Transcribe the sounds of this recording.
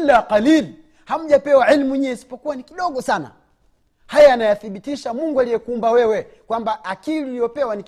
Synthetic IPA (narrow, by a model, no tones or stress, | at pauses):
laqalil | ham̩ʄapɛwaʕilmuiɲɛɛsi̥pɔkuwanikiɗɔɡɔsana̰ | hajaːnajaθiɓitiʃamuŋɡualijɛkuːmbawɛwɛ | kwambaːkiliulijɔpɛwani